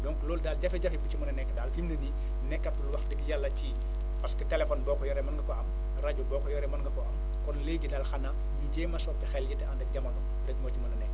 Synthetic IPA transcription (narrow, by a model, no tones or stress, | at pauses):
dɔŋkloːldaːld͡ʒɐfɛɟɐfibut͡ʃimɐnɐnɛkːdaːlfimnɐni | nɛkːɐtːulwɐxdɛɡjalːɐci | pɐskɐtɛlefɔnbɔːkɔjɔɾɛmɐnɡɐkɔɐm | raɟubɔːkɔjɔɾɛmɐnŋɡɐkɔʔɐm | kɔnleɡidaːlxɐna | jiɟeːmɐsɔpːɛxɛljitandɐk̚ɟɐmɐnɔ | dɐk̚moːt͡ʃimunɐnɛ